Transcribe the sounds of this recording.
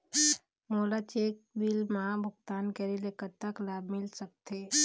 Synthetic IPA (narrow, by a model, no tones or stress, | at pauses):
moːlat͡ʃeːk̚bilmãbʱʊɡt̪aːnkeɾilekət̪aklaːbmɪlsək̚t̪e